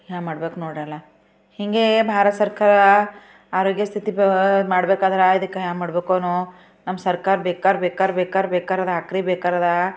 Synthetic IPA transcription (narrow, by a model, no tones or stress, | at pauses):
jaːmaːɽbeːkunoːɽalɐ | hiŋɡebʱaːɾɐt̪sɐɾkaːɾɐ | aːɾoːɡjɐst̪ʰit̪imaːɽbeːkaːd̪ɐɾaid̪ɐkːejaːmaːɽbeːkoːnu | nɐmːɐsɐɾkaːɾɐbeːkaːɾɐbeːkaːɾɐbeːkaːɾɐbeːkaːɾad̪ɐakɾibeːkaːɾaːd̪ɐ